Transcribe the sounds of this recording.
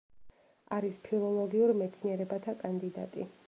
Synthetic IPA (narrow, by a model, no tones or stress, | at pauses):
aɾispʰilˠɔlˠɔɡiuɾmɛt̪sʰniɛɾɛbat̪ʰakʼand̪id̪a̰t̪ʼḭ